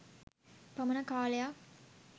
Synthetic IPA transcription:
pɐmɐnɐkaːlɐjaː

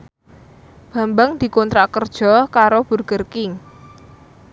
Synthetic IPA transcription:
b̥a̤mbaŋd̪̥i̤kɔnt̪ɾakərd̥ʒ̥ɔ̤kaɾob̥ṳrɡ̥ərkɪŋ

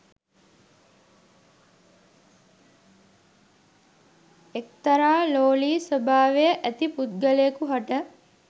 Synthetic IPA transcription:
ek̚t̪ɐɾaːloːliːsəbʱaːʋejəʔæt̪iput̪̚ɡəleːkuɦaʈə

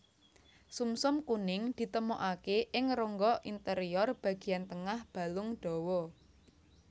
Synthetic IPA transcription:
sumsʊmkunɪŋd̪̥i̤t̪əmoʔakeʔɪŋroŋɡɔʔint̪əɾiɔrb̥a̤ɡ̥i̤jant̪əŋahb̥a̤lʊŋɖ̥ɔ̤wɔ

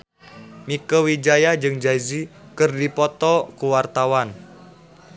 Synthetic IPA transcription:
mikəwid͡ʒajad͡ʒɨŋd͡ʒaizikɨrdipɔt̪ɔkuwart̪awan

